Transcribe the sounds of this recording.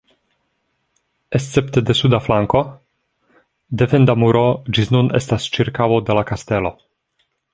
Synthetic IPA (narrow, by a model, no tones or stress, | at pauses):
est̪t͡sept̪edesud̪aflaŋko̞ | d̪efend̪amuɾo̞d͡ʒisnunestast͡ʃiɾkawod̪elakast̪e̞lo